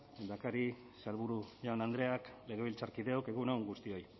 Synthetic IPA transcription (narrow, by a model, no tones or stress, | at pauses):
d̪akaɾi | salβuɾuʝawnand̪ɾe̞akle̞ɣe̞βilt͡saɾkiðe̞oke̞ɣunawŋɡust̪io̞j